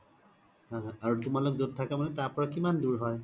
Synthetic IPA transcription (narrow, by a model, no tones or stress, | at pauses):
hãaɹutʊmalokzod̚tʰakamanɛtaɹpɔɹakimanduɹɦɔj